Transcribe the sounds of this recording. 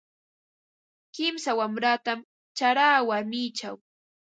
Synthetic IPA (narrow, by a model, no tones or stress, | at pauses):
kɪmsawamɾaːt̪am | t͡ʃaɾaːwaɾmɪːt͡ʃaw